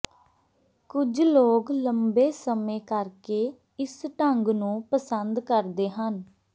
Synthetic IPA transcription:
kʊd͡ʒloːkləmbeːsəmẽːkəɾkeː | ɪsʈəŋɡnũːpəsənd̪kəɾd̪eːɦən

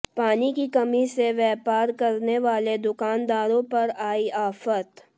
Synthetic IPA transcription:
paːnikikɐmiseʋɛːpaːɾkɐɾneʋaːled̪ʊkaːnd̪aːɾõpɐɾaːiaːfət̪

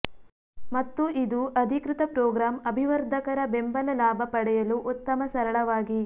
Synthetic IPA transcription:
mɐt̪ːuʔid̪uʔɐd̪ʱikɾɪt̪ɐpɾɔːɡɾaːmɐbʱiʋɐɾd̪ʱɐkɐɾɐbembɐlɐlaːbʱɐpɐɽɛjɐluʔut̪ːɐmɐsɐɾɐɭɐʋaːɡi

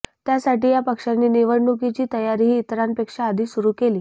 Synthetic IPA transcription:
t̪jasaʈiːjapəkʂanːiːniʋəɽɳukit͡ɕiːt̪əjaɾiːɦiːt̪ɾanpekʂaːd̪ʱiːsuɾuːkeliː

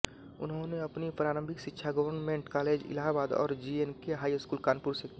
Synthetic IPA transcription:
ʊ̰nɦõneɐpnipɾaːɾə̃mbʱɪkʃɪtːʃʰaɡəʋəɾnmẽːɳʈkaːleːd͡ʒɪ̰laːɦabaːd̪ɔ̰ːɾd͡ʒiːenkeɦaːiɪskuːlkaːnpuːɾseki

